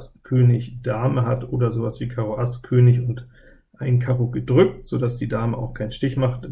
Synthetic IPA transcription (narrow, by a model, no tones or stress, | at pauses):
skʰøːnɪçd̥aːməɦatʔoːdɐzoːvasv̥iːkʰaʁoʔaskʰøːnɪçʊnt | ʔaɪnkʰaʁoɡədʁʏk̚tz̥odasd̥iːdaːməʔa̰ʊxkʰaɪnʃtɪçmaχt